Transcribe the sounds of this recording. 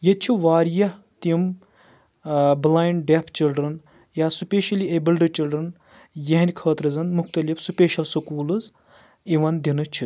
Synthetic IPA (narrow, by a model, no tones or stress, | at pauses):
jɐt͡ʃʰiʋaːɾjɐ | t̪im | blaːjɳɖepʰt͡ʃilɖɾɐn | jaːsupʲeːʃɐliebilɖɨt͡ʃilɖɾɐn | jɐɦnʲkʰɐːt̪ɾɐzɐnmuxt̪ɐlifsupeːʃɐlsɐkuːlɨz | iʋɐnd̪inɨt͡ʃʰi